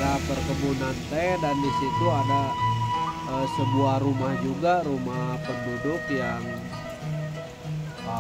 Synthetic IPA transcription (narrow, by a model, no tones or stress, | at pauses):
apərk̪əmunant̪ɛdandisit̪uada | əsəbuahɾumahd͡ʒuɡaɾumahpəndodʊkjaŋ